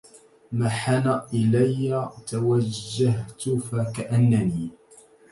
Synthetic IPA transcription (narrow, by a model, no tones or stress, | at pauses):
maħanaʔɪlajːat̪awad͡ʒːaɦt̪ʊfakaʔanːaniː